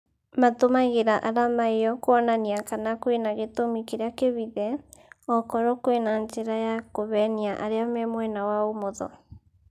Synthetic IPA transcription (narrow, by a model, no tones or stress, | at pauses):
matomaɣeɾaʔaɾamaejɔkwɔnaniakanakwenaɣetomikeɾeakeβiðɛɔkɔɾɔkoenant͡ʃeɾajakoβɛniaʔa̰ɾeamɛmwɛnawaomoðɔ̰